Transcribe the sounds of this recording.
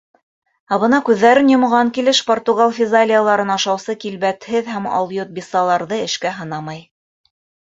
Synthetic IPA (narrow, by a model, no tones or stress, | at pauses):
æβɤ̆nɑkʉðːæɾɘnjŏmʁɑŋkilɘʃport̪uɡalˠfʲɪzalʲɪjalˠɑɾɤnɑʃɑwsɤkilβæt̪hɘðæmɑ̰lˠjot̪̚bʲisɑlˠɑɾðɤɘ̆ʃkæɦɤ̆n̪ɑmɑj